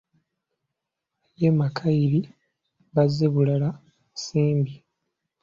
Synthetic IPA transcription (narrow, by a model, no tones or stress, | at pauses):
jemakʰaiɾi | βazːe̞βulala | siːmbi